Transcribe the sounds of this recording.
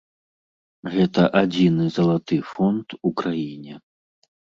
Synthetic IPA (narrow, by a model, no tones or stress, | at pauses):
ɣɛt̪ɐʔad͡zʲinɨzɐlˠat̪ɨfɔnt̪ukɾajinʲɛ